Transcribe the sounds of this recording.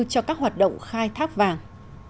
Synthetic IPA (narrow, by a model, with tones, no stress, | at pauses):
t͡ɕɔ˧kaː˦˥k̚ɦwaː˨˩t̚ɗə̰˧˨wŋ͡mxaː˧jt̪ʰaː˦˥k̚vaː˨˩ŋ